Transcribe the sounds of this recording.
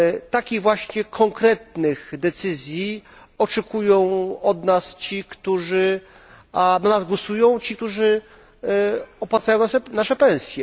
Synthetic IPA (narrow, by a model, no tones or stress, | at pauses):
t̪akʲiɣvwaɕɲɛkʰɔŋkɾɛt̪̚nɘxd̪ɛt̪sɘzʲji | ɔt͡ʂɛkujɔ̃w̃ɔd̪nast͡ɕikt̪uʐɘ | ad̪ɔnazɡwɔsujɔ̃w̃t͡ɕik̚t̪uʐɘ | ɔpwat̪sajɔ̃nanaʂɛpɛ̃w̃sʲjɛ